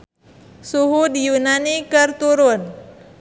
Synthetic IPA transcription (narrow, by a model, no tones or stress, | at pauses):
suɦud̪junanikəɾt̪uɾon